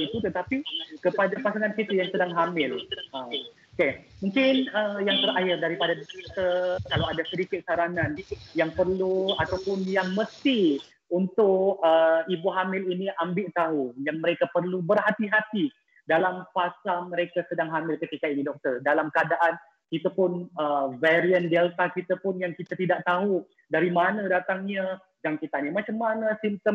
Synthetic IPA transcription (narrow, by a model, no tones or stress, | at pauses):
it̪ut̪ət̪apikəpadapasaŋankit̪ajaŋsədaŋɦamɪlaokemũŋkɪnəjaŋt̪əɾaɦɪrdaɾipadadɔk̚t̪ərkalawadasədikɪt̪̚saɾanãnjaŋpərluat̪awpʊnjaŋməst̪i | unt̪ʊʔəibuɦamɪliniʔambɪʔt̪aɦujaŋməɾekapərlubərɦat̪iɦat̪i | dalamfasaməɾekasədaŋɦamɪlkət̪ikainidɔk̚t̪ərdalamkəadaʔan | kit̪apʊnəvɛɾiəndɛlt̪akit̪apʊnjaŋkit̪at̪idaʔ̚t̪aɦu | daɾimanadat̪aŋɲa | d͡ʒaŋkit̪aɲamãt͡ʃamːanasimt̪əm